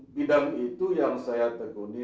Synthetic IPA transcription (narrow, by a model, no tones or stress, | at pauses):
bidaŋit̪ujaŋsajat̪əkuni